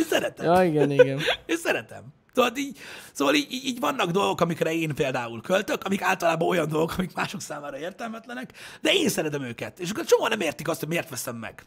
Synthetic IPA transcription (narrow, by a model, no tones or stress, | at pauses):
eːsɛɾɛt̪ɛ̰ɒiɡɛniɡɛneːnsɛɾɛt̪ɛ̰m | soːvɒd̪iːɟsoːvɒliːɟiːɟiːɟʋɒnːɒɡd̪o̞lɡo̞kɒmikrɛeːnpeːld̪aːulkʰølt̪ø̞kɒmikaːlt̪ɒlaːbɒo̞jɒnd̪o̞lɡo̞kʰɒmikmaːʃo̞ksaːmaːɾɒeːrt̪ɛlmɛt̪lɛnɛkd̪ɛeːnsɛɾɛd̪ɛmøːkɛt̪eːʃɒkːort͡ʃoɦɒnɛmeːrt̪ikɒst̪hoɟmeːrt̪ʋɛsɛmːɛ̰ɡ̥